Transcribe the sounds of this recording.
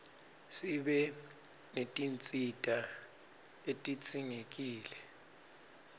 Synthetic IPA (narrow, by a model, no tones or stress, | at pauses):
siɓɛ | netʼint͡sʼitʼa | etʼit͡sʼiŋekʼiːlɛ